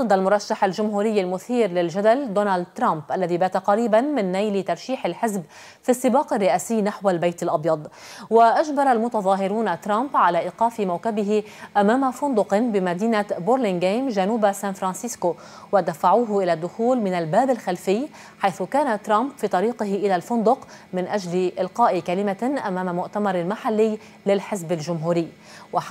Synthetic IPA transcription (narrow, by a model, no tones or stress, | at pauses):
d̪ɨd̪ːalmʊɾˤɑʃːaħalʒʊmɦuːɾɪjːalmʊθiːɾlɪlʒad̪ald̪oːnaːld̪̚t̪ɾˤampʔalːaðibaːt̪aqɑɾiːbanmɪnːajlɪt̪ɑɾˤʃiːħɪlħɪzb | fisˤːɨbɑːqɪrːɪʔaːsɪjːnaħwalbajt̪alʔɑbjɑd̪ˤ | waʔaʒbɑɾˤalmʊt̪ɑðˤɑːɦɪɾuːnat̪ɾˤambʕalaːʔɪqɑːfɪmawkabɪɦɪ | ʔamaːmafʊnd̪ʊqnbɪmad̪iːnaboɾlɪŋɡaːmʒanuːbasaːnfɾansɪsko | wad̪afaʕuːɦʔɪlad̪ːʊxuːlmɪnalbaːbɪlxalfɪjː | ħajθʊkaːnat̪ɾˤɑmbfiːt̪ˤɑɾiːqɪɦɪʔɪlalfʊnd̪ʊq | mɪnʔaʒlɪʔɪlqɑːʔɪkalɪmaʔamaːmamʊʔt̪amɑɾˤalmaħalːɪjː | lɪlħɪzbɪlʒʊmɦuːɾɪjː | wa